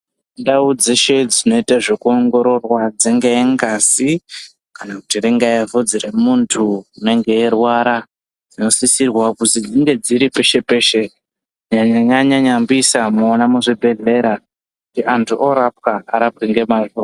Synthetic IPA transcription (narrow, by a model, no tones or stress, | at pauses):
ndaud͡zeʃe̞d͡zino̞itaʐe̞kuoŋɡo̞ɾo̞rwad͡zeŋɡeeŋɡasi | kanakutireŋɡajavod͡ziremuntʰuine̞ŋɡe̞erwaɾa | d͡zino̞sisirwakutid͡ziŋɡe̞d͡ziɾipe̞ʃe̞pe̞ːʃe | ɲaɲaɲaɲaɲambisamuonamuʐibʱe̞ɮe̞ɾa | kkutiʔantʰuʔoɾap̚kaaɾap̚kiŋɡe̞maro